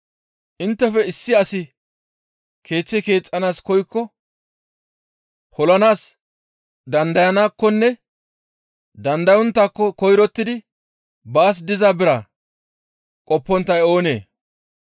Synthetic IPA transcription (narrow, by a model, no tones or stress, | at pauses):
ʔɪnt̪ːɛfɛɪsːɪɐsɪ | kʰe̞ːt͡sːɪke̞ːt͡sʼːɐnaːskɔjkːɔ | hɔlɐnaːs | d̪ɐnd̪ɐjɐnaːkːɔnːɛ | d̪ɐnd̪ɐjɔnt̪ːakːɔkɔjɾɔt̪ːɪd̪ɪ | baːs̬d̪ɪzaːbɪɾɐ | kʼɔpːɔnt̪ːɐjo̞ːne̞ː